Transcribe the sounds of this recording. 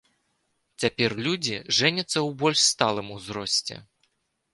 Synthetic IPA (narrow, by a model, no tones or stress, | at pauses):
t͡sʲapʲɛrlʲud͡zʲiʐɛnʲɐt̪sːɐwbɔlʲʂst̪alˠɨmuzɾɔsʲt͡sʲɛ̰